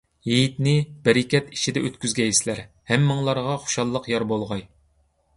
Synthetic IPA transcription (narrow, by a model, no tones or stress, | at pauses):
jejit̪nɪb̥ɛɾɪkʲɛt̪it͡ʃʰid̪ɛʔøt̪kʲyzɡʲɛjislæɾ | hæmːɨŋlˠɑɾʁɑχu̥ʃɑlˠːəqjɑɾbolˠʁɑj